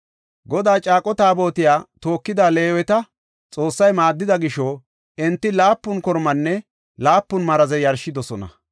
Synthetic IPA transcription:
ɡɔd̪aːt͡ʃʼaːkʼɔt̪aːbo̞ːt̪ɪjaːt̪o̞ːkːɪd̪aːle̞ːwɛt̪ɐ | t͡sʼo̞ːsːɐjmaːd̪ːɪd̪ɐɡɪʃɔː | ɛnt̪ːɪlaːpːʊnkɔɾmɐnːɛ | laːpːʊnmɐɾɐzɛjɐɾʃːɪd̪ɔsɔnɐ̰

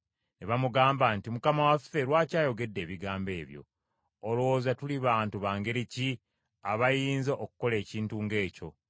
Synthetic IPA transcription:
neβamuɡaːmbantimukamawafːe̞ɾwaːcaːjo̞ɡe̞dːe̞ːβiɡaːmbe̞ːβjo̞̰ | olowoːzatuliβaːntuβaːŋɡe̞ɾici | aβajiːnzaʔokuko̞le̞ːciːntuːŋɡe̞ːco̞̰

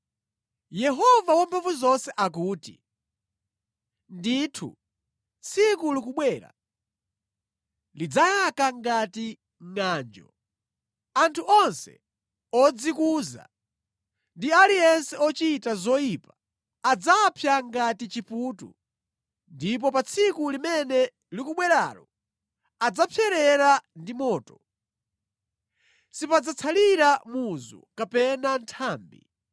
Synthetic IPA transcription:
jɛɦɔvawɔmpʰavuzɔnsɛʔak̬uːtḭ | nditʰṵ | t͡sʰikulukuɓwɛːɾa̰ | lid͡zajakaŋɡati | ŋaːnd͡ʒɔ̰ | antʰuʔɔnsɛ̰ | ɔd͡zikuːza̰ | ndialijɛnsɛɔt͡ʃitazɔjipḁː | d͡zapʰjaŋɡatit͡ʃipuːtṵ | ndip̬ɔpat͡sʰikulimɛnɛ | likuɓwɛɾa̰lɔ | ad͡zapʰjɛɾɛɾandimɔːtɔ | sipad͡zat͡sʰaliɾamuzṵkapɛnantʰaːmbḭ

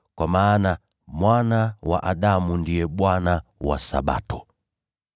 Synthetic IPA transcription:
kwamaːna | mwanawa̰ʔaɗamundijɛɓwanawa̰sa̰ɓa̰tɔ

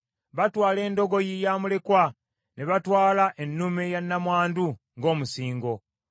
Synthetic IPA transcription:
βatwaːle̞ːndo̞ɡo̞jijaːmule̞kwa | neβatwaːlaʔenːumejanːamwaːndu | ŋɡo̞ːmusiːŋɡo

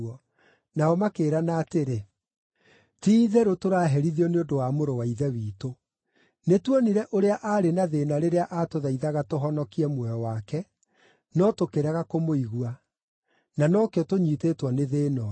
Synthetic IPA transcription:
ɔ | naɔmakeːɾanaːteɾe | tiːðɛɾotoɾaːɦɛɾiðiɔneondowamoɾowaiðɛwiːto | netwɔniɾɛʔoɾeaʔaːɾenaðeːnaɾeɾeaʔatoðaiðaɣatoɦɔnɔkiɛmwɛɔwakɛ | nɔtokeɾaɣakomoiɣua | nanɔkeɔtoɲiːtetwɔneðeːnɔ

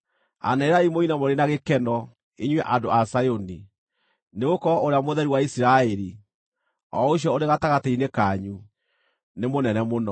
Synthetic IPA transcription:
a̰naeɾaimoinamoɾenaɣekɛnɔ | eɲwɛʔandoasajoni | neɣokɔoɾeamoðɛɾiwaisiɾaɛɾi | ɔ̰oɕ̬jɔoɾeɣataɣateinekaɲu | nemonɛnɛmonɔ

